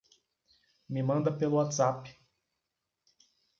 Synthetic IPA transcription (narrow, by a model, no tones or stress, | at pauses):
mɪmɐ̃nd̪ɐpelʊat̪z̥apɪ̥